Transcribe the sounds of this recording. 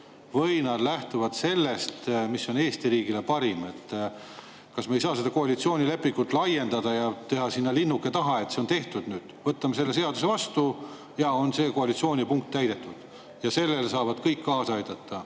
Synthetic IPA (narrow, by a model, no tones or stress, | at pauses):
vɤjnɑd̪̥læht̪uvɑd̪̥se̞lːe̞st̪misːo̞ne̞ːst̪iɾiːɡ̥ile̞pɑɾime̞t̪ː | kɑsmeejsɑːse̞d̪ɑkoɑlit̪sio̞ːnʲile̞pːˑiŋɡ̥ut̪ːˑlɑje̞nd̪̥ɑd̪ɑjɑt̪e̞ɦɑsinːɑlinːukːˑe̞t̪ɑɦɑe̞t̪seo̞nt̪e̞ht̪ud̪̥nyːd̪̥vɤt̪ːˑɑmese̞lːe̞s̬e̞ɑd̪use̞vɑst̪u | jɑo̞nse̞ːkoɑlit̪sioːnʲipuŋk̚t̪ːæjd̪e̞t̪ːˑud̪̥ | jɑse̞lːelsɑːvɑd̪̥kɤjkːɑːsɑɑjd̪̥ɑt̪ːɑ